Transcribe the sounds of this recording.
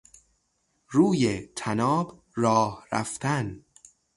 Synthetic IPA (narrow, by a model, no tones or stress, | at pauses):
ɾuːjet̪ʰænɒːb | rɒːhɾæ̰ft̪ʰæn